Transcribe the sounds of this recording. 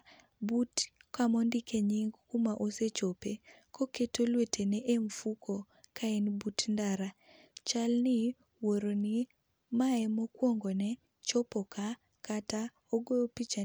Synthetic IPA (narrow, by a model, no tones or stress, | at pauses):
butkamɔndikeɲiŋɡkumaʔoset͡ʃope | koketolwetʰenɛʔemfukʰo | kaenbutndaɾa | t͡ʃalnɪ | woɾoni | maɛmokwoŋɡonɛ | t͡ʃɔpɔka | kata | oɡoopit͡ʃa